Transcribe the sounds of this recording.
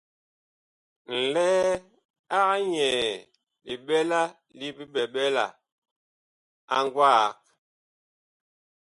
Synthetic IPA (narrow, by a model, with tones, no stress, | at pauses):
n̩˨lɛ˦ | a˦ɣa˦ɲɛː˨ | li˨ɓɛ˦la˦ | li˦bi˦ɓɛ˨ɓɛ˦la̰˨ | a˦ŋɡwa˦˨k̚